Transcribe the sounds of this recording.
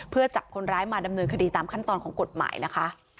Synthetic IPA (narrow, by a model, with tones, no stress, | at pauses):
pʰɯ˥˩ɐt͡ɕa˨˩p̚kʰo˧nɾaː˦˥jmaː˧da˧mnɤː˧nkʰa˧diː˧t̪aː˧mkʰa˥˩nt̪ɔː˧nkʰɔː˩˦ŋko˨˩t̪̚ma̰ː˩˦jna˦˥kʰa˦˥ʔ